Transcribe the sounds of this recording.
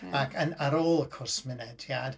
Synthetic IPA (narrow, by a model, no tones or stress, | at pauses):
akʰənaɾoːlˠəkʰʊrsmɪnɛdjad̥